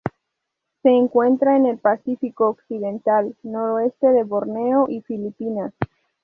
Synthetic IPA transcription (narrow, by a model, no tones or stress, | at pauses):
se̞ːŋkwe̞nt̪ɾaene̞lpasifiko̞ːksiðe̞nt̪alno̞ɾoe̞st̪e̞ðe̞βoɾne̞oʔifilipinas